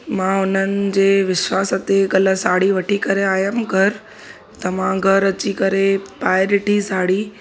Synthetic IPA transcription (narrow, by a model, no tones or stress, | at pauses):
mãːʊn̤ənɪ̆d͡ʑeːʋɪʃʋaːsɐt̪eɡɐlə̆saːɽiʋɐʈʰikɐɾeaːjəmɡʱɐɾ | t̪ɐmãɡʱɐɾɐt͡ɕikɐɾepaːɪɗɪʈisaːɽi